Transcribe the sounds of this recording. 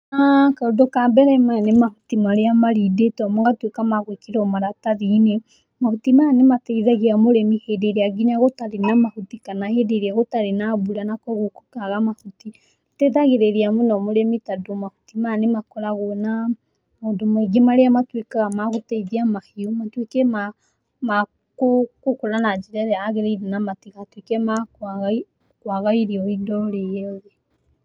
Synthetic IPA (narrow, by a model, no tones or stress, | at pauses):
akaodokambɛɾɛmanemahutimaɾeamaɾidetɔmɔŋɡatwekamaɣwekiɾɔmaɾataðine | mahutimaanematɛiðaɣeamoɾɛmihedeɾeaɡiɲaɣotaɾenamahutikanahedeɾiaɣotaɾenaβuɾanakɔɣoku̥kaɣamahuti | etɛðaɣeɾeɾeamonɔmoɾɛmitadomahu̥timanemakɔɾaɣona | modomeɡemaɾeamatwekaɣamaɣotɛiðiamahiumatwekɛma | ma | kokokoɾanad͡ʒiɾaɾeaːɣeɾeiɾenamatiɣatwekɛmakaɣ | kwaɣaiɾiɔidɔɾejɛɔðe